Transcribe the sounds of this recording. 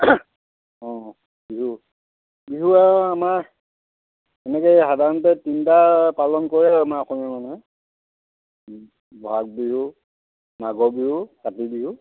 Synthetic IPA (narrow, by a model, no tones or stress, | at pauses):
ɔ̃ | biɦu | biɦuaamaɹ | ɛnɛkɔjxadʱaɹɔntɛtintapalɔnkɔɹɛamaɔkɔmimanɛɛ | bɔak̚biɦu | maɡɔbiɦukatibiɦu